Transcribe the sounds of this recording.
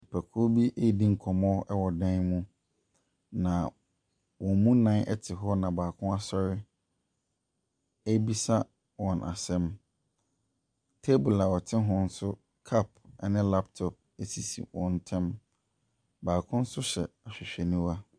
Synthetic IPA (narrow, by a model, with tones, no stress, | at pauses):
pʰɛ˨kʰʊ˦bi˦ʔe˦˨dĩ˦ŋ̩˨kʰɔ˨mɔ̃˦ɛ˦wɔ˨dã˦nmũ˦ | nã˨ | wɔ̃˨mũ˦nã˦nʔɛ̰˦tʰɪ˨ɦɔ˦nã˨baː˨kʰʊ̃˦a˦sɔ˦ɾɪ˦ | e˦bi˦sa˦ | wɔ̃˨nʔa̰˨sɛ̃˦m | tʰe˦bʊ˨la˨wɔ˨tʰɪ̃˦ɦɔ̃˨n̩˦sʊ˦ | kʰa˦p̚ɛ˨nɪ̃˦la˦p̚tʰɔ˨p̚e˦si˨sḭ˨wɔ̃˨n̩˨˦tʰɛ̃˦m | baː˨kʰʊ̃˦n̩˦sʊ˦ɕɛ̰˨a˨ɕᶣɪ˨ɕᶣɛ˨nĩ˦wa˦